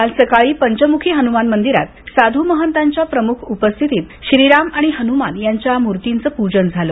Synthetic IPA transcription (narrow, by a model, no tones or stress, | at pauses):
alsəkaɭiːpəɲt͡ɕəmukʰiːɦənumanmənd̪iɾa̰t̪sad̪ʱuməɦənt̪aɲt͡ɕjapɾəmukʰupəst̪ʰit̪iːt̪ɕɾiɾamaɽ̃iɦənumanjaɲt͡ɕjamuɾt̪int͡səːpud͡ʑənd͡zʱalo